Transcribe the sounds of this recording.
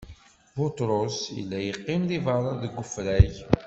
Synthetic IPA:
bʊt̪ɾosḭlːæjəqːɪmðivɑɾˤɑðəɡʷːʊfɾæç

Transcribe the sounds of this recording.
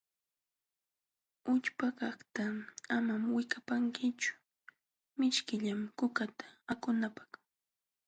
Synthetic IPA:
ʊʎpakɑχt̪aamamwɪkapaŋkɪt͡ʃʊ̥ | mɪʃkɪʎamkʊkat̪ḁakʊnapḁχ

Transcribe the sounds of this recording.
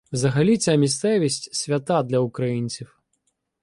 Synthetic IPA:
wzɐɦɐlʲit͡sʲamʲist̪sɛʋʲisʲtʲsʲʋʲɐt̪ɑd̪lʲɐʊkɾɐjinʲt͡sʲiw

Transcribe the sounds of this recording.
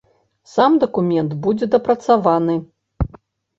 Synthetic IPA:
samd̪ɐkumʲɛnt̪bud͡zʲɛd̪ɐpɾɐt̪savanɨ

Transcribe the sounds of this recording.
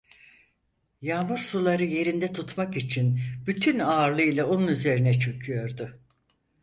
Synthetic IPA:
jaːmɯɾsulˠaɾɯje̞ɾind̪ɛt̪ʰut̪makit͡ʃʰinbyt̪ʰynaːɾlˠɯjlˠao̞nunyze̞ɾinɛt͡ʃʰøcʰyjo̞ɾd̪ʊ

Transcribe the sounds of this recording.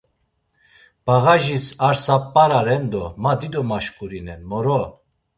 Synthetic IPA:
b̥aɣaʒisaɾsapʼːaɾaɾɛnd̪ɔmad̪id̪ɔmaʃkʼuɾinɛnmɔɾɔ

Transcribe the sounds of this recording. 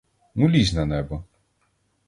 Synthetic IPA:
mulʲizʲnɐnɛbɔ

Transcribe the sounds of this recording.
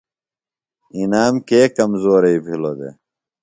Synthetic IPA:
inaːmkeːkɐmzoːɾeipʰilod̪ḛ

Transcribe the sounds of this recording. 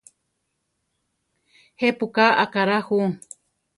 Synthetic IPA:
hepukaakaɾahuŋ

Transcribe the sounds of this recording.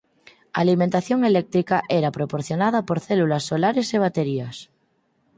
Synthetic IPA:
a̰limẽnt̪aθjoŋelek̚t̪ɾikaʔeɾapɾopoɾθjonað̞apoɾθelulasːolaɾeseβ̞at̪eɾias

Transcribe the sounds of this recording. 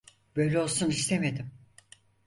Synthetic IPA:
bø̞jlʲɛolˠsunist̪ʰemed̪im

